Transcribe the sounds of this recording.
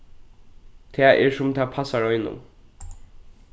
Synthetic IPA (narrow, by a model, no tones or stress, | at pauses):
t̪ʰeːʔɛɹsʊmt̪ʰɛːpʰasaɹɔʏnʊ̰m